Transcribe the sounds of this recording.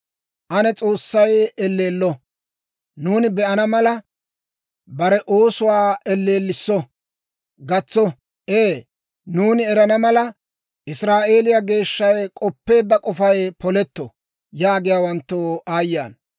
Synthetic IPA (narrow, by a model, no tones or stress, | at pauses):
ʔɐnɛt͡sʼo̞ːsːɐjɛlːe̞ːlːɔ | nuːnɪbɛʔɐnɐmɐlɐ | bɐɾɛʔoːsʊwaːɛlːe̞ːlːɪsːɔ | ɡɐt͡sːɔ | ʔeː | nuːnɪɛɾɐnɐmɐlɐ | ʔɪsɾaːʔe̞ːlɪjaɡe̞ːʃːɐjkʼɔpːe̞ːd̪ːɐkʼɔfɐjpɔlɛt̪ːɔ̰ | jaːɡɪjaːwɐnt̪ːoʔaːjːa̰ːn